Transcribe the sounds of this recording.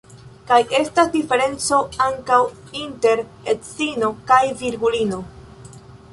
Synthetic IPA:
kajʔe̞stasdife̞ɾe̞nt͡so̞aŋkaw | inte̞ɾ | et͡sino̞kajviɾɡulino̞

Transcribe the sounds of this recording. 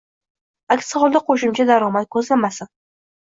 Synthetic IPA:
akʲsɒvɒlˠd̪aqʰoʃɪmt͡ʃʰad̪aɾɒmat̪̚kʰɵzlamasɪn

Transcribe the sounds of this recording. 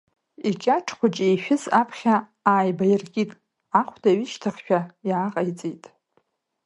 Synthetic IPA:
it͡ʃʲʼaʈ͡ʂʰχʷʊt͡ʃʼejʃᶣɪzapʰχʲa | aːjbajɪrɡʲʼitʼ | aχʷʰdʰaɥɪʃtʰaχʲʃᶣajːqʼajt͡sʼitʼ

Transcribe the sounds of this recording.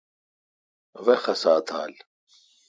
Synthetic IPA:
ʋexɐsaːt̪ʰa̰ːl

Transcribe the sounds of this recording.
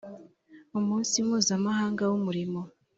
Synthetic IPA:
umuːnsimhuːzamahaːŋɡawumuɾimo

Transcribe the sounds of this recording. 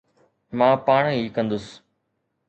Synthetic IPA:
mãːpaːɳ̃ɦiːkɐ̃nd̪ʊs

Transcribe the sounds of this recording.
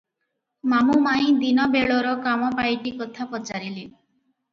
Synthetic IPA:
mamumaĩd̪inɔbeɭɔɾɔkamɔpajʈikɔt̪ʰapɔt͡ʃaɾile

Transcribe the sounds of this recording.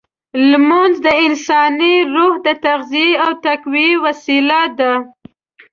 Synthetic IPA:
lmanzd̪əɪnsɑniɾuhd̪ət̪aɣziiawt̪akwiwasilad̪a

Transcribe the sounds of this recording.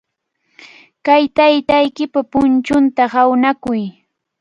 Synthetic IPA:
kajt̪ajt̪ajkɪpapʊnt͡ʃʊnt̪ahawnakʊj

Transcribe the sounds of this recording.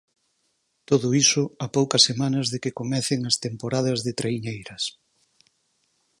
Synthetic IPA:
t̪oðʊisʊapowkɐsːemanɐzðekɪkomɛθɪŋɐst̪empoɾaðɐzðɪt̪ɾeiɲejɾɐs

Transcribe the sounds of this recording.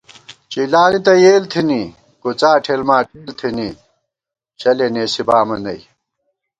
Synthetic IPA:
t͡ɕilaːnit̪ɐjeːlt̪ʰini | kot͡saːʈʰeːlmaːʈʰeːlt̪ʰini | ɕɐleneːsibaːmɐnɐj

